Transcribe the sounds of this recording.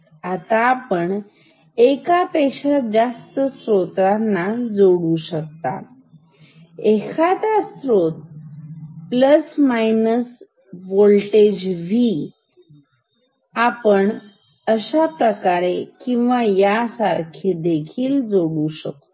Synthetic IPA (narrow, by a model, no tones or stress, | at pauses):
at̪aːpəɳ | ekapeɕad͡zast̪əsɾot̪anːad͡zoɽuɕək̚t̪a̰ | ekʰat̪asɾot̪̚ | pləsmajnəs | ʋolʈed͡ʑʋi | apəɳ | əɕapɾəkaɾekĩw̃ʋajasaɾkʰid̪ekʰiːld͡zoɽuɕək̚t̪o